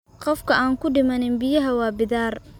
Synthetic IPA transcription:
qɔfkʰɐaːŋkʰʊɖɪmɐnɪnbɪjɐɦɐwɑːbɪðaːr

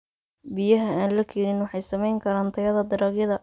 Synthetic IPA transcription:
bɪjɐɦɐaːnlɐkʰiːɾɪnwɑħɑjsɐmɛjŋkʰɐɾaːnt̪ʰɐɣɐðɐd̪ɐɾɐɣjɐðɐ

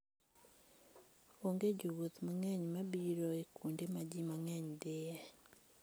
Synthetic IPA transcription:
oŋɡed͡ʒuwut̪maŋɛɲmabiɾɔekʰundemad͡ʒimaŋɛɲdɪjɛ

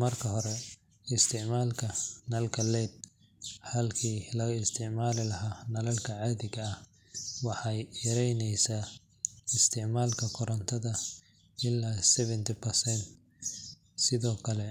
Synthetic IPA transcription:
mɐrkʰɐɦɔɾɛ | ɪst̪ʰɪʕmaːlkʰɐnɐlkʰɐlɛːd̪̚ | hɐlkʰiːlɐɣɪst̪ʰɪʕmaːlɪlɐɦaːnɐlɐlkʰɐʕaːðɪɣɐɐh | wɑħɑjjɐɾɛjnɛjsaː | ɪst̪ʰɪʕmaːlkʰɐkʰʊɾɐnt̪ʰɐðɐ | ɪlːaːsɛβɛnt̪ʰɪpʰɛrsɛnt̪ | sɪðɔːkʰɐlɛ

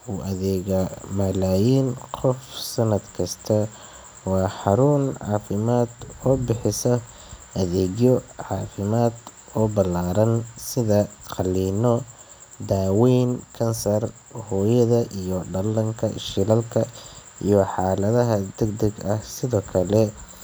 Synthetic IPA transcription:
uːʔɐðɛːɣɐmɐlaːjiːnqʰɔfsɐnɐd̪kʰɐst̪ʰɐ | wɑːħɑɾuːnʕɑ̰ːfɪmaːd̪ɔːbɪħɪsɐ | ʔɐðɛːɣjɔʕɑːfɪmaːd̪ | ɔbɐlaːɾɐnsɪðɐqɑliːnɔ | d̪aːwiːnkʰɐnsɐr | hɔːjɐðɐʔijɔɖɐlɐŋkʰɐʃɪlɐlkʰɐijɔħɑːlɐðɐɦɐd̪ɛɡd̪ɐɡɐhsɪðɔːkʰɐlɛ

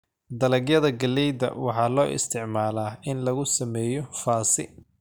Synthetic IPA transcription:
d̪ɐlɐɡjɐðɐɡɐlɛjd̪ɐ̰wɑħɑːlɔːʔɪ̰st̪ʰɪʕmaːlaːɪnlɐɣʊsɐmɛːjɔfaːsɪ̰

